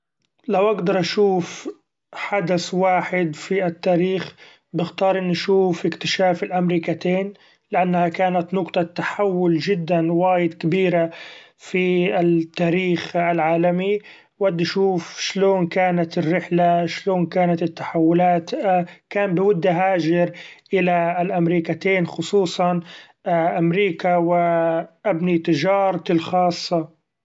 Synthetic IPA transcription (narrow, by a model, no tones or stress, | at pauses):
lawʔaɡd̪ɑɾˤʔaʃuːf | ħad̪aswaːħɪd̪fiat̪ːaːɾiːx | bɪxt̪ɑːɾˤʔɪnːaʃuːfʔɪkt̪ɪʃaːfɪlʔamɾiːkat̪eːn | lɪʔanːhakaːnat̪nʊqt̪ˤɑt̪ːaħawːʊlʒɪd̪ːanwaːjɪd̪kɪbiːɾa | fiɪt̪ːaːɾiːxalʕaːlami | wad̪ːaʃuːfʃloːnkaːnat̪ɪrːɪħlaʃloːnkaːnat̪ɪt̪ːaħawːʊlaːt̪kaːmbɪwʊd̪ːaɦaːʒɪɾʔɪlalʔamɾiːkat̪eːnxʊsˤuːsˤɑn | ʔamɾiːkawɪʔabnit̪ɪʒɑːɾˤɑɪlxɑːsˤːɑ